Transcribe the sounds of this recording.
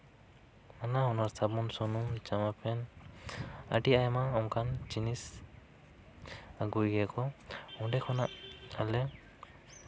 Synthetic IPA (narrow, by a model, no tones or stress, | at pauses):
manahɔnaɾsabɔnsɔnumt͡ʃamapʰɛn | a̰ʈiajamaɔŋkant͡ʃinis | aɡujɡɛkɔɔndɛkʰɔnaʔalɛ